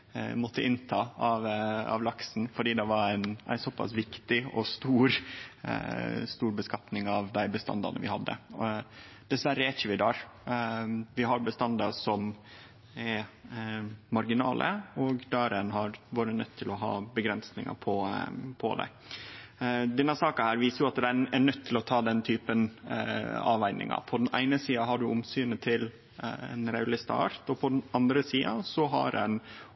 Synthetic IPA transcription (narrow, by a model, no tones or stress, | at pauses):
mɔt̪ʰːəʔɪnt̪ʰɑːɑʋɑ̰ʋlɑksn̩fɔɖiːd̪ɛʋɑɾæɪnʔæ̰ɪsɔpʰːɑ̰sʋɪkt̪ɪɔst̪uːɾ | st̪uːɾbəskɑt̪nɪŋɑʋd̪æɪbəst̪ɑ̰nd̪ɑ̰nə̰ʋɪ̰hɑd̪ːə̰ | d̪̥ɛsʋæɾːəæt͡ʃəʋɪd̪ɑːɾ | ʋɪɦɑɾbəst̪ɑnd̪ɑɾsɔm | ɛɾ | mɑɾɡɪnɑ̰ːlʔə̰ɔɡd̪æːɾɛnɦɑɾʋoːɾənœt̪ʰːɪlɔɦɑ̰ːbəɡɾɛnsnɪ̰ŋɑ̰pʰɔpʰɔ̰d̪æ̰ | d̪ɛnːəsɑːkɑhæːɾʋiːsəɾjʊɑt̪d̪ɛɛɳœt̪ʰːɪlɔt̪ʰɑːd̪ɛnt̪ʰyːpən | ɑːʋæɪnɪ̰ŋɑ̰pʰɔd̪ɛnæ̰ɪnəsiːɑɦɑɖʉʔʊmsyːnət̪ʰɪl | ɛ̰nɾɑʉlɪst̪ɑ̰ɑ̰ɾt̪ɔpʰɔd̪ɛnɑnd̪ɾəsiːɑsɔɦɑ̰ɾɛ̰n